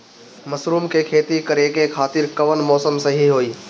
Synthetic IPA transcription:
mɐsɾuːmkʰeːkʰeːt̪ikɐɾekekʰaːt̪ɪɾkɐʋənmɔːsəmsɐɦiɦoːiː

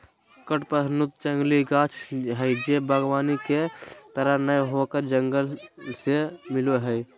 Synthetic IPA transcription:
kəʈpəsnʊt̪̚t͡ʃəŋɡliɡaːt͡ʃʰɦəjd͡ʒebəɡwaːniket̪əɾənəjɦokəɾd͡ʒəŋɡəlsemɪloɦɛi

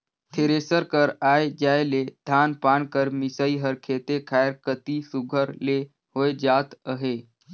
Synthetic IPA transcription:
t̪ʰeːɾeːsəɾkəɾaːed͡ʒaːeled̪̥ʱaːnpaːnkəɾmɪsəiɦəɾkʰeːt̪ekʰaːɪɾkət̪isʊɡʱəɾle | hoːed͡ʒaːt̪əɦeː

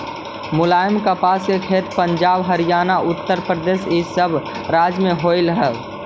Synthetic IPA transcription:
mʊlaːjəmkəpaːskekʰeːt̪pəɲd͡ʒaːbɦəɾijaːnaʔʊt̪ːəɾpɾəd̪eːsisəbʱ | ɾaːd͡ʒmẽɦoɪlɦɛ

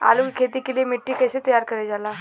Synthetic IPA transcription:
a̰lukʰet̪iːkiliemiʈːiːkəset̪əjaɾkəɾed͡zala

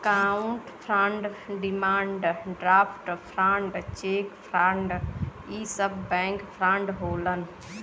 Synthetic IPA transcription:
kaũɳʈpʰɾãɳɖɖimaːɳɖɖɾaːpʰʈpʰɾãɳɖt͡ʃeːkpʰɾaɳɖ | iːsəbbɛ̃ŋkpʰɾaɳɖɦoːlən

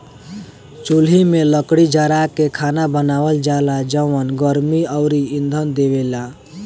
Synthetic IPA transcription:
t͡ʃulɦimẽləkɽid͡ʒəɾakekʰanabənaːwəld͡ʒalad͡ʒəʋənɡəɾmiəʊɾiind̪ʱənd̪eʋela

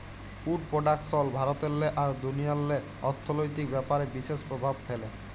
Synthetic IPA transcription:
uɖpɾoɖak̚ʈsɔlbʱaɾot̪elːeʔaɾd̪unijalːe | ɔɾt̪ʰːonojt̪ikbɛpaɾebiʃeʃpɾobʱab̚fele

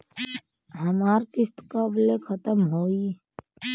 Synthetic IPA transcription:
ɦəmaːɾkɪst̪kəblekʰət̪əmɦoːi

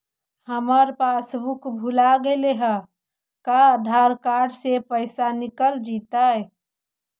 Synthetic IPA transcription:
həməɾpasbukbʱulaɡeleɦə | kaəd̪ʱaɾkaɾɖsepəɪsanikəld͡ʒit̪aj

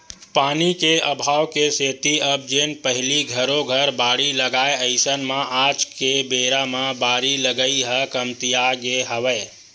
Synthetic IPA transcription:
paːnikeəbʱaːwkeseːt̪iəb̚d͡ʒenpəɦɪliɡʱəɾoɡʱəɾbaːɽiləɡaeəɪsənmãʔad͡ʒkebeɾamãbaːɾiləɡəiɦəkəmt̪ijaɡeɦəʋə

